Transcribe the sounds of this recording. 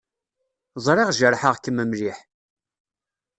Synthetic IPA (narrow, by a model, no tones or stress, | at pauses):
zˤɾˤeʁʒəɾˤħəʁkəmːəmliħ